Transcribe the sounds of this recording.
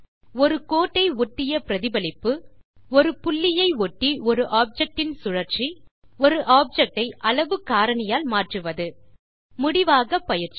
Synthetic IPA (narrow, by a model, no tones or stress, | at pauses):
ɔɾɯkoːʈːɐɪɔʈːɪjɐpɪɾɐðɪbɐlɪpːɯɔɾɯpʊlːɪjɐɪɔʈːiɔɾɯʔaːp̚d͡ʒɐk̚ʈɪnsʊɻɐɾt͡ʃiɔɾɯʔaːp̚d͡ʒɛk̚ʈɐɪʔɐlɐʋɯkaːɾɐɳɐjaːlmaːʈrɯʋɐðɯ | mʊɽɪʋaːɣɐpːɐjɪɾt͡ʃi̥